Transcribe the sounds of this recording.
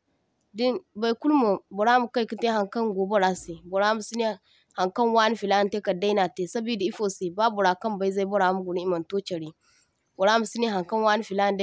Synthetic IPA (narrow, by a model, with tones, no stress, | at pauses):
di˦ba˨jku˦lmo˨bo˨ɾa˦mu˨ka˦i˨ki˦te˦ɦa˨ŋkɐ˦ŋɡo˨bo˦ɾa˦si˨bo˨ɾa˦mu˨si˦ni˦ | ha˨ŋkɐ˦nwa˦n˦fi˨la˦n˦te˦kɐ˨da˦i˦na˨te˨sa˦bi˦di˨i˦fo˨si˨ba˦bu˨ɾa˨kɐ˦mba˨˦i˦za˦i˦bo˦ɾa˨˦mu˦ɡu˨ni˦i˦mɐ˨nto˦t͡ʃɐ˨ɾi˦ | bo˨ɾa˦mu˨si˦ni˦ɦa˨ŋkɐ˦nwa˦n˦fi˨la˦˨n˦da˦